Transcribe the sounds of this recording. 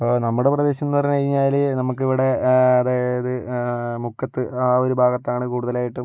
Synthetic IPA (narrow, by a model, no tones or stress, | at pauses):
ɐpːoːnɐmːuɽe̞prɐðe̞ːɕɐnːupɐrɐɲːkɐɻiɲːaːlnɐmuk̬ːiʋiɽe̞ɐðaːjɐɐðɨmukʰːɐt̪ːɨaːoɾubʱaːɡɐt̪ːaːɳɨkuːɽuðɐlaːjiʈːum